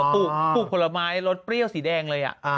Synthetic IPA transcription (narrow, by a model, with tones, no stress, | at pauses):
pʰuː˥˩uː˥˩pʰo˨˩la˧maː˦˥jɾo˦˥t̪̚pɾi˥˩əwsiː˩˦dɛː˧ŋlɤː˧jʔa̰˨˩ʔ